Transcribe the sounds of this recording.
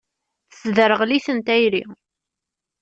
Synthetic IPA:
θəsðəɾəʁliθənt̪æjɾḭ

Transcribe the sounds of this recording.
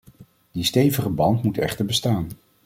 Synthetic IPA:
d̥istejvəχəbɑntmutɛ̰χtəɹbəstaːn

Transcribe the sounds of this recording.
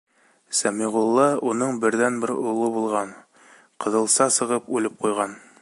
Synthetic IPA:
sæmiʁulˠːɑunɤɴbɘ̆ɾðænbɘɾulˠɤbulˠʁɑn | qɤ̆ðɤ̆lˠsɑsɤ̆ʁɤpʉlɘp̚qujʁɑn

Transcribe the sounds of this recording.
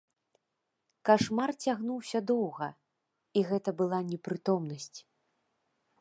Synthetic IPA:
kaʂmart͡sʲaɣnuwsʲɐd̪ɔwɣɐ | iɣɛt̪ɐbɨlˠanʲɛpɾɨt̪ɔmn̪ɐsʲt͡sʲ

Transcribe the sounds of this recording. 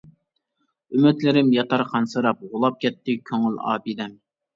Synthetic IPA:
ymɪt̪lɪɾɪmjɑt̪ʰɑɾqʰɑnsɨɾɑp̚ʁʊlˠɑp̚kʲɛt̪ːɪkʲʰøŋylɑ̰ːbid̪ɛm

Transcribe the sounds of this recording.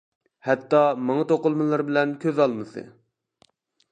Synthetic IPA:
hɛt̪ːɑmɑŋɑt̪oqʊlˠmɨlˠɑɾbɪlɛnkʲʰøzɑlˠmɨsɨ̰

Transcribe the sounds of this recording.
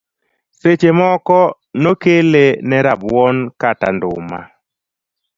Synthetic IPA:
set͡ʃemɔkɔ | nokelenɛɾabwɔnkata̰ndʊma̰

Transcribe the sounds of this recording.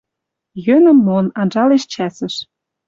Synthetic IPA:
jønə̆mːonɑnʒɑleʃt͡ɕæsə̆ʃ

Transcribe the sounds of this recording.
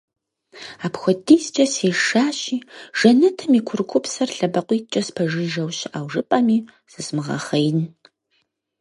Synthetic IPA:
aːpxʷɔdiːzt͡ʃʼɐseːʃaːɕiːʒ̥ɐnɨtʰɐmiːkʷʰʊrkʷʰʊpsɐrɬɐbɐqʷiːt͡ʃʼɐspʰɐʒɨʒɐwɕɪʔaːwʒɨpʼɐmiː | z̥ɨzmɨʁɐ̰χɐjn

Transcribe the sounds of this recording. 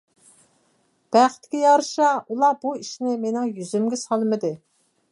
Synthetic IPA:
b̥æχt̪ʰɪ̥kʲijɑɾʃɑulˠɑbuiʃnɪmenɪŋjyzymɡʲɛsɑlˠmɨd̪ɨ

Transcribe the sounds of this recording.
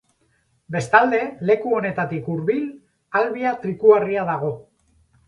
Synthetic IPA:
be̞st̪ald̪e̞le̞kuo̞ne̞t̪at̪ikuɾβil | alβiat̪ɾikuariað̞aɣ̞o̞

